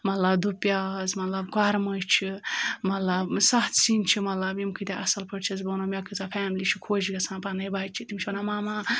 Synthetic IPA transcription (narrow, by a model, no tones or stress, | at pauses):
mɐt̪lɐbd̪upjazmɐt̪lɐbkaɾməjt͡ʃʰimɐt̪lɐbsɐɦt̪sint͡ʃʰimɐt̪lɐbimkʰɨt̪eʔɐsɐlpɐɽt͡ʃʰizbɐnomʲakɨt͡sapʰaːmlit͡ʃʰikʰoːd͡ʒɡɐsãːpanɐjbat͡ʃʰit̪imt͡ʃʰiɐnamaːma